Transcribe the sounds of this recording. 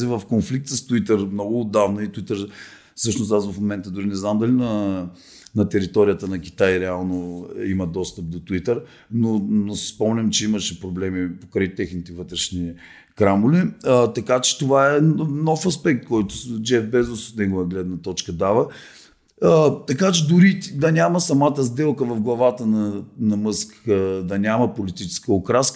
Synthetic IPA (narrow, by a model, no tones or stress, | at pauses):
ɛvəfkonflik̚t̪səst̪uit̪əɾmnɔɡʊːd̪avnɐit̪uit̪əɾ | sɤʃnost̪asvɐfmomɛnt̪əd̪ʊɾinɛznamd̪ɐlinɐ | nɐt̪ɛɾit̪ɔɾijət̪ənɐkʲi̥t̪ajɾɛalˠnoimɐd̪ɔst̪əp̚d̪ot̪uit̪əɾ | nonosɛ̥spɔmnʲɐmt͡ʃɛiməʃɛpɾoblɛmipokɾɛjt̪ɛxnit̪ɛvɤt̪ɾɛʃni | kɾamʊliət̪ɐkat͡ʃɛ̥t̪ovaɛnɔfɐspɛk̚t̪̚kɔjt̪ʊd͡ʒɛfbɛzosot̪nɛɡʊvəɡlɛd̪nɐt̪ɔt͡ʃkəd̪avə | t̪ɐkat͡ʃɛd̪ʊɾit̪d̪ɐnʲamɐsɐmat̪əzd̪ɛlˠkəvɐvɡlˠɐvat̪ənɐnɐmɤskd̪ɐnʲamɐpolit̪it͡ʃɛ̥skəokɾask